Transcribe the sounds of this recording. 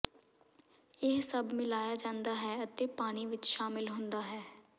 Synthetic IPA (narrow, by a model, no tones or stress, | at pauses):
ɪɦsəbmɪlaːjad͡ʒãːnd̪aːɦɛːət̪eːpaːɽ̃iʋɪt͡ʃʃaːmɪlɦʊ̃nd̪aːɦɛː